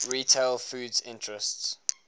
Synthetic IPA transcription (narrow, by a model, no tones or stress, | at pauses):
ɹiːtʰelfuːdzɪ̃ntɹɛsts